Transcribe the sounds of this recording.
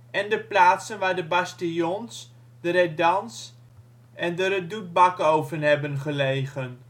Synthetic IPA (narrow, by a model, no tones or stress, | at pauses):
ɛndəplaːtsənʋaːɹdəbɑstijɔns | d̥əɾɛdɑns | ʔɛndəɾədut̚bɑkowvənɦɛbənχəlejχən